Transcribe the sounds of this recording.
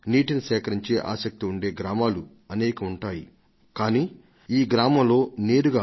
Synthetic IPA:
niːʈinisɛːkɐɾiɲt͡ʃe̞ːʔa̰ːsɐk̚t̪iuɳɖe̞ːɡɾaːmaːlu | ɐneːkɐuɳʈaːjḭ | kaːniː | iːɡɾaːmɐmlo̞ːne̞ːɾuɡaː

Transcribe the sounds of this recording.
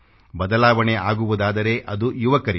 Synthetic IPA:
bɐd̪ɐlaːʋɐɳeʔaːɡuʋud̪aːd̪ɐɾe̞ʔɐd̪ujuʋɐkɐɾi

